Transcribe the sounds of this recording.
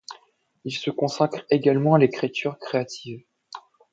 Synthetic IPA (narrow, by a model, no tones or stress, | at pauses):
ilsəkɔ̃sakχeɡalmɑ̃alekχet̪ʰyʁkχeat̪ʰiv